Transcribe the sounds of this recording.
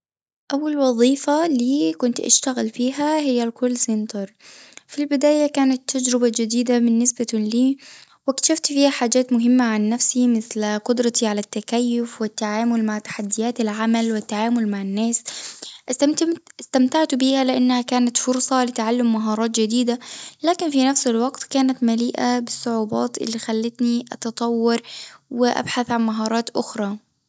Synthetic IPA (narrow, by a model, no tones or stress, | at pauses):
ʔawːalwɑðˤiːfaliːkʊnt̪ʔa̰ʃt̪aɣalfiːɦahɪjːalkʊlːsɪnt̪ɑɾˤfilbɪd̪aːjakaːnat̪ːad͡ʒɾɪbad͡ʒɪd̪iːd̪amɪnːɪsbaliː | wɪk̪ḁʃaft̪fiːhaħaːd͡ʒaːt̪mʊɦɪmːaʕanːafsimɪθlqʊd̪ɾˤɑt̪iʕalat̪ːakajːʊfwɪt̪ːaʕaːmʊlmaʕt̪ḁħad̪ːɪjaːt̪alʕamalwɪt̪ːaʕaːmʊlmaʕɪnːaːsʔɪst̪amt̪aʕt̪ʊbiːhalɪʔanːhakaːnat̪fʊɾsˤɑlɪt̪aʕalːʊmːaɦɑːɾˤɑːt̪d͡ʒɪd̪iːd̪alaːkɪnfinafsɪlwɑɡt̪kaːnat̪maliːʔabɪsˤːʊʕuːbɑ̰ːt̪ʔɪ̰lːixalːɪt̪niʔɑt̪ɑt̪ˤɑwːɑɾˤwɪʔa̰bħaθʕanmaɦɑːɾˤɑːt̪ʔʊxɾˤɑː